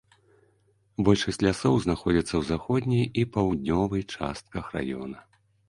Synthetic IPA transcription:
bɔlʲʂɐsʲtʲlʲasɔwznaxɔd͡zʲit̪sːɐwzaxɔd̪ʲnʲijipawd̪ʲnʲɔvɨjt͡ʂa̰st̪̚kɐxra̰jɔ̰nɐ

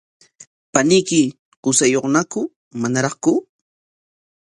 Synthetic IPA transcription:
panɪjkɪ | qʊsajoχnakʊ | manaɾɑχkʊ

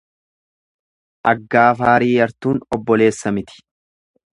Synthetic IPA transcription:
ʔɐɡːaːfaːɾiːjɐɾt̪uːnɔbːɔle̞ːsːɐmɪt̪ɪ̥

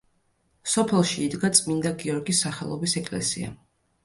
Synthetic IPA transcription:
sɔpʰɛlˠʃiːd̪ɡat̪sʼmind̪aɡiɔɾɡisːaχɛlˠɔbisɛkʼlɛ̰sḭa̰

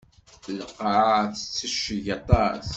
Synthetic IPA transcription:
ləqːaʕθə̥t͡sːiʃəʝɑt̪ˤɑs

